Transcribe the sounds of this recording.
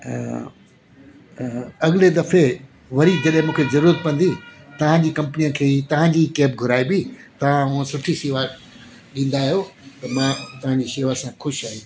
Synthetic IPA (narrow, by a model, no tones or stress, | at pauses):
ɐɡɪled̪ɐfe | ʋɐɾid͡ʑɐɗɦɪ̃mũːkʰezɐɾuːɾət̪̚pɐ̃nd̪it̪ɐʋ̤ãɲd͡ʑiːkɐ̃mpnijəkʰeːt̪ɐʋ̤ãɲd͡ʑikɛːp̚ɡʱʊɾaːibit̪ɐʋ̤ãʊ̃ə̃sʊʈʰisiːʋa | ɗĩːn̆d̪aːɦijot̪ɐmãːt̪ɐʋ̤ãɲd͡ʑiʃeːʋasãxʊʃaːɦi